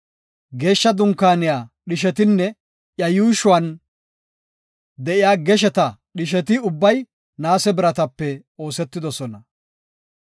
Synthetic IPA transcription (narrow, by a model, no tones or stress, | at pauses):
ɡe̞ːʃːɐd̪ʊŋkːaːnɪjaːɗɪʃɛt̪ɪnːɛ | ʔjɐjuːʃʊwɐn | d̪ɛʔɪjaːɡɛʃ̬ɛt̪ɐɗɪʃ̬ɛt̪ɪʊbːɐj | naːsɛbɪɾɐt̪ɐpːɛ | o̞ːsɛt̪ːɪd̪ɔsɔnɐ